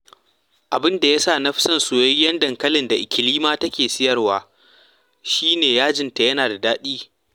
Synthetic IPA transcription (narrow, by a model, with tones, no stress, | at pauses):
ʔa˨bɪ˦nda˨ja˦saː˦˨nɐ˦ɸɪ˦sɐ˦nsu˨jɐ˦jjɐ˦ndɐ˨ŋkɐ˦lɪ˨nda˨ʔɪ˨kʲɪ˨liː˦maː˦tɐ˦kʲeː˨sɪ˦jɐ˨rwaː˦ | ʃiː˦neː˨jaː˦d͡ʒɪ˦nta˨jɐ˦naː˨da˨daː˦ɗiː˦